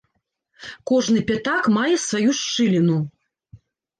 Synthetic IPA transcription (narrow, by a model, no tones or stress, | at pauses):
kɔʐnɨpʲat̪akmajɛsvajuʂt͡ʂɨlʲinu